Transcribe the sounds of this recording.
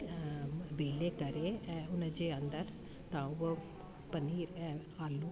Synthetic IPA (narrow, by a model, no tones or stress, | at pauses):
ʋeːleːkəɾeːɛʊnəd͡ʒeːənd̪əɾ | t̪ãːʊ | pəniːɾɛ̃ | aːlːũː